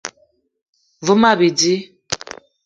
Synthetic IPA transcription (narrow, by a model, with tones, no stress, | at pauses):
və˦ma˦˨bi˨di˦